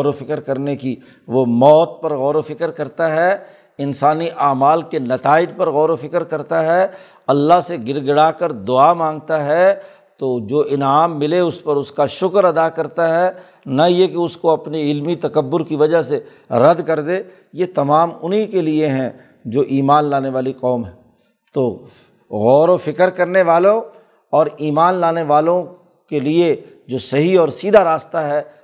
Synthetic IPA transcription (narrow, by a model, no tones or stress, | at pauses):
ɔɾofɪkəɾkɐɾneki | ʋomɔːt̪̚pɐɾɣɔːɾofɪkəɾkɐɾt̪aɦɛ | ɪnsaːniʔaːmaːlkenɐt̪aːɪd͡ʒpɐɾɣɔːɾofɪkəɾkɐɾt̪aɦɛ | ɐlːaɦseɡɪɾɡɪɽaːkɐɾd̪ʊaːmãːŋɡt̪aɦɛ | t̪oːd͡ʒoːʔɪnaːmːɪleʊspɐɾʊskaʃʊkɾɐd̪akɐɾt̪aɦɛː | nɐjekeʊskoɐpniɪlmit̪ɐkəbːʊɾkiʋɐd͡ʒəɦse | ɾɐd̪kɐɾd̪eː | jet̪ɐmaːmʊnɦikelieɦɛ̃ | d͡ʒoːʔiːmaːnlaːneʋaːliqɔːmɦɛ̃ː | t̪oː | ɣɔːɾõfɪkəɾkɐɾneʋaːlõ | ɔːɾiːmaːnlaːneʋaːlõ | kelie | d͡ʒoːsɐɦiɔːɾsiːd̪ʱaɾaːst̪aɦɛː